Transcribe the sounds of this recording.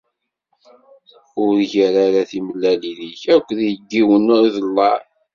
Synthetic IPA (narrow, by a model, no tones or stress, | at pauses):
ʊɾʝæɾaɾaθiməlːæliðiçækʷːðjəɡːiwənːʊɾiðəlːɑɾ